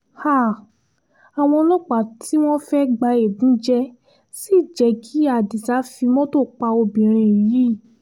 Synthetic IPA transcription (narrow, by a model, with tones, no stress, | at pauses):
ha˦˨ | a˨w̃ɔ̃˧lɔ˦k͡pa˨tʰi˦w̃ɔ̃˦fɛ˦ɡ͡ba˧e˨bũ˨˦d͡ʒɛ˦ | si˦˨d͡ʒɛ˨˧˦kʰi˦a˨di˨sa˨˦fi˧mɔ̃˦to˦˨k͡pa˧o˧bĩ˨ɾ̃ĩ˧˨ji˦˨